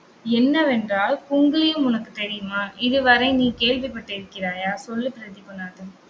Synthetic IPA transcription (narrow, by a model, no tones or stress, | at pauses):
ɛnːɐʋɛndraːlkʊŋɡɐlɐjɯ̃mʊnɐkːɯt̪ɛɽɪjɯmaːʔɪðɯʋɐɾɐ̃ɪniːkeːɻʋɪpɐʈːɐɪɾɯkːɪɾaːjaːsɔlːɯpɪɾɐðɪpːɯnːaːðɯ